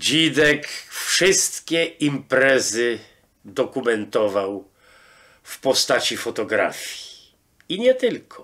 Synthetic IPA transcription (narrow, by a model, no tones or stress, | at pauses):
d͡ʑid̪ɛkfʂɘst̪kʲɛimpɾɛzɘ | d̪ɔkumɛnt̪ɔvaw | fpɔst̪at͡ɕifɔt̪ɔɡɾa̰fʲji̥ | iɲɛt̪ɘlkʰɔ